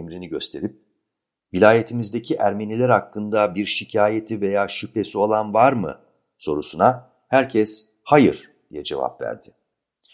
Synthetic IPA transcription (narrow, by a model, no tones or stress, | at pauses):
mɾiniɟø̞st̪ʰe̞ɾip̚ | vilʲaːje̞t̪ʰimizd̪e̞cʰiʔæɾme̞nilʲæɾhakːɯnd̪abiɾʃicʰaːje̞t̪ʰive̞jaːʃype̞sio̞lˠanvaɾmɯ̰ | so̞ɾusuna | hæɾcʰɛs | hajɯɾ̥ | d̪ijɛd͡ʒe̞̰va̰pvæ̰ɾd̪̥ɪ̥